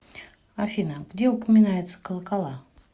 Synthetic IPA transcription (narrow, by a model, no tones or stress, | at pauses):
afʲinəɡdʲe̞ʊpəmʲɪnajɪt̪sə̥kəlˠəkalˠa